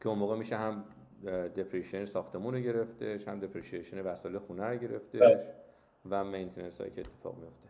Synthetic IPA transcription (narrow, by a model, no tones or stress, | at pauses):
cʰeonmoːɣemiːʃeɦæm | d̪epʰɾiʃienesɒːxt̪ʰe̞muːneɟe̞ɾe̞ft̪e̞ʃhæ̰md̪epʰɾiʃieʃonevæsɒlexunæɾoɟe̞ɾe̞̰ft̪eʃ | væmejnt̪ʰenelshɒ̰jḭcʰeet̪ʰːefɒ̰ːʁmijo̞ft̪e̥